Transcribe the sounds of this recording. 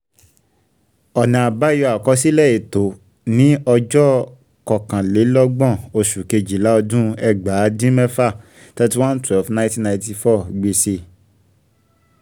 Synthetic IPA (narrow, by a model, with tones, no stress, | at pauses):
ɔ˨nã˨a˨ba˦jɔ˧a˨kɔ˨˧˦si˦lɛ˦˨e˨to˨˦ | nĩ˨˦ɔ˧d͡ʒɔ˦ | kɔ˨kã˨le˨˦lɔ˦ɡ͡bɔ̃˦˨o˧ʃu˨ke˧d͡ʒi˨la˨˦ɔ˧dũ˦ɛ˧˨ɡ͡ba˨˦dĩ˦mɛ̃˦fa˦˨ | ta˦ti˦wã˦n̩˦tɛ˦lfnã˧˦tĩ˦nã˧j̃ti˧fɔ˦˨ɡ͡be˧se˧˨